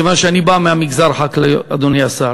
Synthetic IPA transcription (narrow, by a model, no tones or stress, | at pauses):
evanʃeanibameamiɡzaɾħaklead̪onejasa